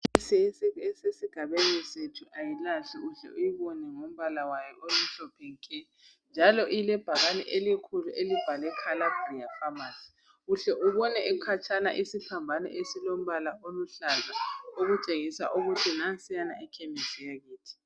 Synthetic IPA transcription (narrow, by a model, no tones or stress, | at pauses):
sɛsesiɡ̥ʱaβenisetʰuʔajilaɬiuɬɛ̰ʔujiβɔnɛŋom̩βalawajɔʔolum̩ɬɔpʰɛŋkʰʼɛ | nd͡ʒʱalɔʔilɛb̥ʱaɣanɛ̰ʔelikʰuluʔelib̥ʱalɛkʰalab̥riafamasi̥ | uɬɛʔuβɔnɛʔɛkʰat͡ʃʰana̰ʔisipambʱanɛ̰ʔesilom̩βalaʔoluɬazaoɣut͡ʃʼeɣisa̰ʔoɣutʰinasianaʔikʰɛmɛsijaɣiːtʰi̥